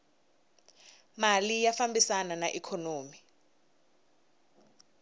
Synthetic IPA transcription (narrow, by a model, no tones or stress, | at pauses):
malijafambisananaʔikʰɔnoːmi